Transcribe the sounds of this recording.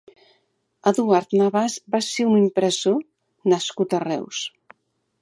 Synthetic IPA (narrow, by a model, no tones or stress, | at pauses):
əðuaɾt̪naβazbaseunimpɾəzo | nəskut̪ərɛ̰ws